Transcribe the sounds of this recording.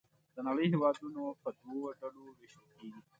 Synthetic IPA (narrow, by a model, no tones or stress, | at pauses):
d̪̥ənaɽəjɦewɑːd̪unopəd̪wowɖɐɽoɾɪʃokeːɡi